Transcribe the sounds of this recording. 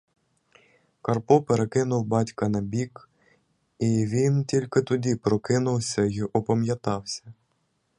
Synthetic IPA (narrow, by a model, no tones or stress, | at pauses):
kɐrpɔpeɾekɪnʊwbɑtʲkɐnɐbʲik | iʋʲintʲilʲkɪt̪ʊdʲipɾɔkɪnʊwsʲɐjiʔɔpɔmjɐt̪ɑwsʲɐ̥